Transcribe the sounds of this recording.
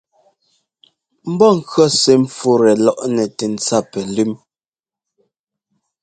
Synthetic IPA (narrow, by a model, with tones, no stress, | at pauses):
m̩˦bɔ˦˨ŋ̩˨kɰɔ˦se˨m̩˨fu˦˨ɾɛ˨lɔ˦˨ʔnɛ˨tɛ˨n̩˨t͡sa˦˨pɛ˨lʉ˦m